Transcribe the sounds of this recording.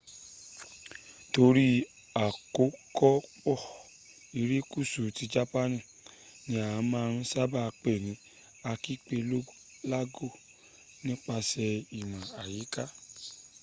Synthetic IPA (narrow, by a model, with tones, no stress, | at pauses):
to˧ɾi˦ | a˨ko˨˦kɔ˦k͡pɔ˦˨ | i˧ɾi˦ku˦˨su˨ti˧˦d͡ʒa˦pa˦nĩ˦˨ | nĩ˧˦a˦˨a˨˦mãː˧˦˧ɾ̃ũ˦sa˦ba˦˧k͡pe˦˨nĩ˨˦ | a˧ki˦˨k͡pe˧lo˦ | la˦ɡo˦˨ | nĩ˦k͡pa˧sɛ˧i˨mã˨a˨ji˨˦ka˦